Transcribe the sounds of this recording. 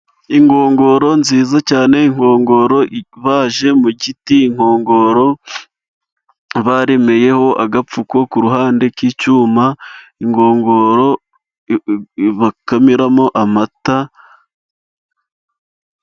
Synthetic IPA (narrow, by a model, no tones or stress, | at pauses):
iŋɡo̞ːŋɡo̞ɾo̞nziːzacaːne̞iŋ̥o̞ːŋɡo̞ɾo̞βaːʒe̞muɟitiːŋ̥o̞ːŋɡo̞ɾo̞ | βaɾe̞me̞je̞ho̞ʔaɡap͡fuko̞kuɾuɦaːnde̞kiːt͡ʃumaiŋɡo̞ːŋɡo̞ːɾo̞ | βakamiɾamo̞ʔamata